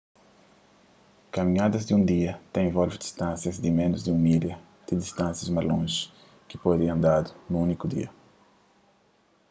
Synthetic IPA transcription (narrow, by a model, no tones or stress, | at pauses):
kamĩɲad̪ɐzd̪ɪũd̪iɐt̪ẽj̃vɔlvɪd̪ist̪ãsjɐzd̪ɪmẽnʊzd̪ɪumiljɐ | d̪̥ɪd̪ist̪ãnsjɐzmazlõʒɪ̥ | kɪpɔd̪ẽɐ̃nd̪ad̪ʊnʊũnikʊd̪ḭɐ